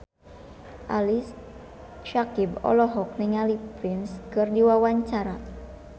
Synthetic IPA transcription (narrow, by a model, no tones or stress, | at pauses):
ʔalis | ʃakibɔ̰lɔɦɔk̚nɪŋalipɾɪnskɨrdiwawaɲt͡ʃaɾa